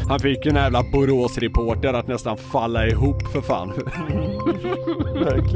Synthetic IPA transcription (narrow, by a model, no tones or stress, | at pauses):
hanfɪkːjnjæːvlabʊɾoːsɾɛpʰoːʈəɾat̪nɛst̪anfalːaɪɦuːpːfœɾfa̰ːnf | æk